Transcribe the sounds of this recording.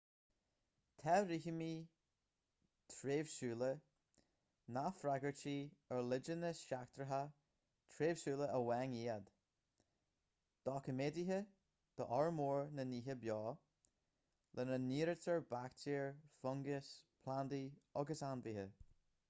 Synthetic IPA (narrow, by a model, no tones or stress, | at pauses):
t̪ʰɛɾihəmiː | t̪ʰɾeːvʃuːlə | nafɾaɡəɹt͡ʃiːəɹlɪd͡ʒənəsʃakt̪ɹəɦa | t̪ʰɾeːv̥ʃuːləʔəwɛŋiːəd̪̥ | d̪̥ɔkʰəmeːdiɦə | d̪̥əʔɔɹmuːɹnəniːɦəbjɔː | lʔənəniːɾətəɹbaktʰiːɹfʊŋɡəspʰland̪iɔɡəsanviːhə